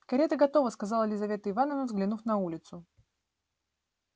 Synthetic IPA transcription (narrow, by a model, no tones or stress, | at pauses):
kɐɾʲet̪əɡɐt̪o̞vəskɐzɑlˠəlʲɪzɐvʲe̞t̪əɪvanəvnəvzɡlʲɪnufnɐulʲɪt̪sʊ